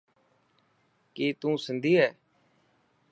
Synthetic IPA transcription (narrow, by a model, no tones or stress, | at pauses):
kiːt̪ũːsənd̪iːɦɛː